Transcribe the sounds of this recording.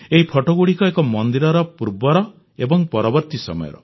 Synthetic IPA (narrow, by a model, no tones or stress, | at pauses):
eɦipʰɔʈɔɡuɽikɔekɔmɔnd̪iɾɔɾɔpuɾbɔɾɔ | ebɔŋpɔɾɔbɔɾt̪isɔ̰mɔ̰jɔ̰ɾɔ̰